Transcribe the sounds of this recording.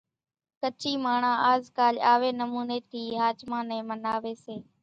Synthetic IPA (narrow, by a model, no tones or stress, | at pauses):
kət͡ʃʰiːmaːɳãːʔaːzkaːlaːʋeːnəmuːneːt̪ʰiːɦaːt͡ʃmãːnẽːmənaːʋeːseː